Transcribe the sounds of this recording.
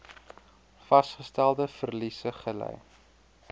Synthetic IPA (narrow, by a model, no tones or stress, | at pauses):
fɐsχəstælˠdəfərlisəχəlɛ̰j